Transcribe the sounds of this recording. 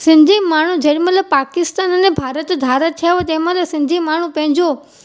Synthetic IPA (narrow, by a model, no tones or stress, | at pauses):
sɪ̃nd̪ʱimaːɳ̤ũd͡ʑeːɽimãləpaːkɪst̪aːnənẽbʱaːɾət̪d̪ʱaːɾət̪ʰːijaʋot̪ẽɦmãləsɪ̃nd̪ʱimaːɳ̤ũpɐ̃ɦɪ̃ɲd͡ʑo